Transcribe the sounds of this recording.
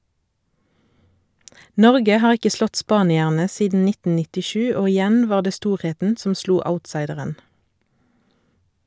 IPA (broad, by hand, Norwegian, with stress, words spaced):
ˈnɔʁɡə ˈhɑːʁ ˈɪkə ˈslɔt ˈspɑːnɪæʁnə ˈsiːdn̩ ˈnɪtn̩ nɪtɪˈʃʉː ˈoː ɪˈjæn ˈʋɑːʁ ˈdeː ˈstuːʁˌheːtn̩ ˈsɔm ˈsluː ˈaʊtˌsɑɪdəʁən